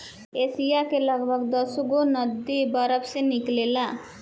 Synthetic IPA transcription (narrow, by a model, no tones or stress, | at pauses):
esijakeləɡbʱəɡd̪əsɡonəd̪ːibəɾəbseniklela